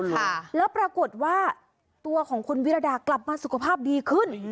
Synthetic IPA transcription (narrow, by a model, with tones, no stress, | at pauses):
lɛː˦˥wpɾa˧ko˨˩t̪̚waː˥˩ | t̪u˧ɐkʰɔː˩˦ŋkʰo˧nwi˦˥ɾa˧daː˧˩kla˨˩p̚maː˧su˨˩kʰa˧pʰaː˥˩p̚diː˧kʰɯ˥˩n